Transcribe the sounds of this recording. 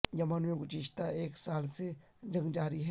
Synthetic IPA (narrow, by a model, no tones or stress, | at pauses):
d͡ʒɐmanmẽɡʊt͡ʃiʃt̪aeːksaːlse | d͡ʒɐ̃ŋɡd͡ʒaːɾiɦɛ